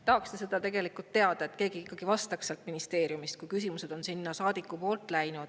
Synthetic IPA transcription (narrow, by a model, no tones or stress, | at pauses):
t̪ɑhɑkst̪ese̞d̪̥ɑt̪e̞ɡ̥e̞likult̪ːe̞ɑd̪̥ɑet̪ke̞ːɡ̥iikːˑɑɡ̥ivɑst̪ɑkselt̪minist̪e̞ːɾjumist̪̚kujkys̬imuse̞d̪̥o̞nsinːɑsɑːd̪̥ikːˑupo̞ːlt̪ːˑlæjnud̪̥